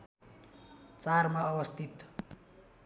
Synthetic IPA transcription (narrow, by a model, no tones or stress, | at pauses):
t͡sarmaʌwʌst̪ʰit̪